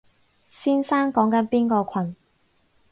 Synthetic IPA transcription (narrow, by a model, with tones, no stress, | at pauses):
siː˥nsaː˥nkɔː˨˥ŋkɐ˨˥npiː˥nkɔː˧kʷʰɐ˨n